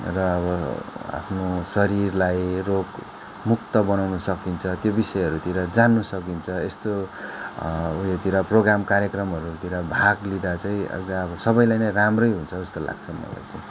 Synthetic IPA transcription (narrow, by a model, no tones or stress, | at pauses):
rʌːβʌa̰pʰnosʌɾirlajrok | muk̚t̪ʌbʌnawnʌsʌkint͡sʰʌt̪jobisʌeɦʌɾut̪iɾʌd͡zanːusʌkint͡sʰʌest̪o | jet̪iɾaproɡɾamkaɾjʌkrʌmɦʌɾut̪iɾabʱaɡlid̪at͡saĩʌ̰d̪aʌbʌsʌbʌjlajnʌjramrʌjɦunt͡sʰʌest̪ola̰ɡ̚t͡sʰʌmʌ̰la̰jt͡saĩ